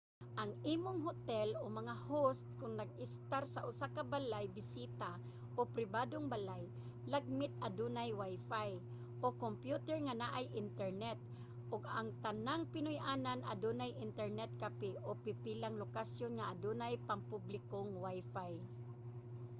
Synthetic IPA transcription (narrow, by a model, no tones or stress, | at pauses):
ʔɐŋʔiːmoŋɦot̪ɛlomɐŋahost̪̚kʊŋnɐɡ̚ɪst̪aɾsɐʔʊsakɐbalajbɪsiːt̪a | ʔopɾɪbaːd̪oŋbalaj | laɡ̚mɪt̪̚ɐd̪uːnajwajfaj | ʔokompjut̪ɛɹŋanaʔajʔɪnt̪ɛɹnɛt̪̚ | ʔoɡaŋt̪ɐnaŋpɪnʊjʔaːnanʔa̰d̪uːnajʔɪnt̪ɛɹnɛt̪̚kapɪʔopɪpilaŋlokasjonŋaʔad̪uːnajpaŋpublɪkoŋwajfaj